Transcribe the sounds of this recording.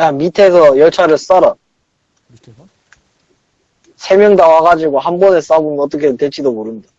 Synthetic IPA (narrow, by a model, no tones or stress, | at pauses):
amitʰe̞sʰʌjʌɭt͡ɕʰaɾɯɭs͈aɾa | sʰe̞mjʌŋdawaɡad͡ʑiɡohanbʌnes͈aɡomjʌnʌt͈ʌkʰetwe̞ɭt͡ɕ͈idomoɾɯmida